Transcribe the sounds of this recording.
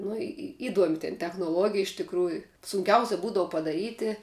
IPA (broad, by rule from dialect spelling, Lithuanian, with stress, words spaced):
ˈnʊ ɪ ɪ ˈɪduɔmʲɪ tʲɛn tʲɛxnoːˈlˠuɔɡʲɪjɛ ɪʃ tʲɪkˈruːjʊ sʊŋʲˈkʲɛʊsʲɛ ˈbuːdɐʋʊ pɐdɐˈrʲiːtʲɪ